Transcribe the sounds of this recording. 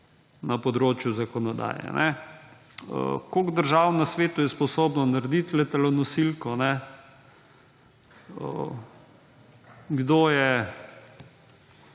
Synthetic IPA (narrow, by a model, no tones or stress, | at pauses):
napɔd̪ɾoːt͡ʃjuzakɔnɔd̪a̰ːjɛ̰nʔɛ | ə̰koɡd̪əɾʒaːwnasʋeːt̪ʊjɛspɔsoːbnɔnaɾd̪it̪lɛt̪alɔnɔsilkɔnɛ | ə̰ | ɡd̪oːjɛ